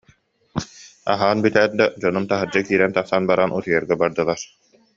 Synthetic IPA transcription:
a̰ɦaːnbyt̪æːt̪̚d̪ad͡ʑɔnumt̪aɦɯɾd͡ʑakiːɾɛnt̪aχsanbaɾanut̪ɯjɛɾɡɛbaɾd̪ɯlˠaɾ

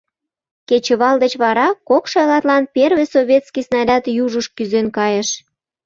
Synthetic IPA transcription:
ket͡ɕəβɑld̪et͡ɕβɑɾɑkokʃɑjlɑt̪lɑnperβesoβʲet̪skijsnɑlʲɑt̪juʒəʃkyzenkɑjəʃ

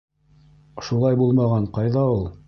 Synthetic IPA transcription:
ʃulˠɑjbulˠmɑʁɑɴqɑjðɑulˠ

